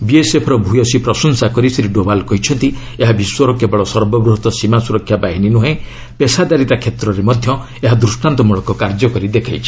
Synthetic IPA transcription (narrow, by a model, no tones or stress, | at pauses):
biesepʰɔɾɔbʱujɔsipɾɔsɔnsakɔɾisɾiɖobalkɔɦit͡ʃʰɔnt̪i | eɦabiswɔɾɔkebɔɭɔsɔɾbɔbɾuɦɔt̪ɔsimasuɾɔkʰjabaɦininuɦẽ | pesad̪aɾit̪akʰet̪ɾɔɾemɔd̪ʱjɔ | eɦad̪ɾusʈant̪ɔmuɭɔkɔkaɾd͡ʒɔkɔɾid̪ekʰajt͡ʃʰi̥